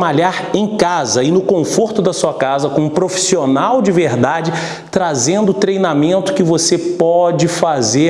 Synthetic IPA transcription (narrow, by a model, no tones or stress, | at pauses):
maʎaɾẽj̃kazɐɪnʊkõfoɾt̪ʊd̪ɐsuɐkazɐkõũpɾofi̥sionawd͡ʒɪveɾd̪ad͡ʒɪ | t̪ɾazẽnd̪ʊːt̪ɾejnamẽnt̪ʊ̥kɪvosepɔd͡ʒɪfaze